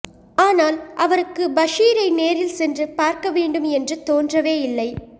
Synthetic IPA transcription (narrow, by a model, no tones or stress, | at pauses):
aːnaːlʔɐʋɐɾɯkːɯbɐʂiːɾɐɪneːɾɪlsɛndrɯpaːɾkɐʋeːɳɖɯmɛndrɯt̪oːndrɐʋeːɪlːɐɪ